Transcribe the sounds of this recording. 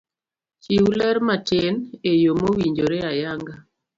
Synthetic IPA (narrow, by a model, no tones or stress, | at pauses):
t͡ʃiulaɾmat͡ʃenejomowiɲd͡ʒoɾeajaŋɡa